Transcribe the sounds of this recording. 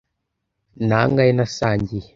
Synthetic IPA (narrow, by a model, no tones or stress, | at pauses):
naŋɡainasaɲɟi